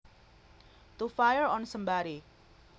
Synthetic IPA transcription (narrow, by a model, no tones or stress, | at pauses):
t̪ufajəɹɔnsəmbaɾi